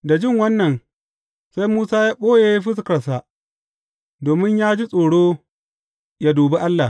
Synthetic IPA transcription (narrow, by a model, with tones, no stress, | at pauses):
da˨d͡ʒɪ˦˨ŋwɐ˦nːɐ˨n | sa˦jmuː˦saː˦jaː˦ɓoː˦ja˨˦a˦jɸ̬ɪ˦s̬kɐ˨rsa˨ | doː˨mɪ˦ɲjaː˦d͡ʒi˦sʼoː˨ɽoː˦ | ja˦duː˨be˦ʔa˦lːa˨